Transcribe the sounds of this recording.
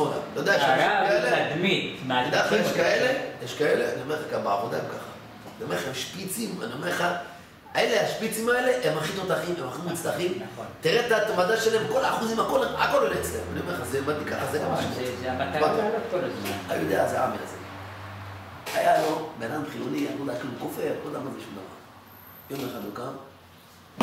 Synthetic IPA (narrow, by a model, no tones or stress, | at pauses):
oda̰mlood̪ejeʃeled̪mit̪od̪eajeʃkaelejeʃkaeleaniomeχakabaavod̪aemkaχḁ | neomeaemʃpit͡sima̰niomeχa | aelehaʃpit͡simaeleʔemaχit̪o̞t̪aχimemaχimit͡staχimnt̪iʁet̪at̪mad̪aʃelaemko̞laːχuzimhakolako̞lolet͡slḛma̰niomeazeomad̪t̪ikaχazeamaʃiba | a̰jṵjod̪eazea̰a̰mila̰ze | ha̰jalo̞beanamχiloniamulaakilukofeʁkolamaziʃima̰la̰ | jomeχad̪ukam